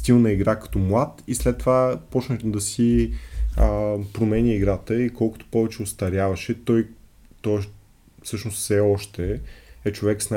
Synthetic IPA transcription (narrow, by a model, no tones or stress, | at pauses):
st̪ilˠnɐiɡɾakɐ̥t̪ɔmlˠat̪islɛt̪ːovapɔt͡ʃnəd̪ɐsi | əpɾomɛnʲiiɡɾat̪əikɔlˠkʊ̥t̪o̥pɔvɛt͡ʃɛost̪ɐɾjavɐʃɛt̪ɔj | t̪ɔ | fsɤʃnossɛɔʃt̪ɛɛt͡ʃovɛksna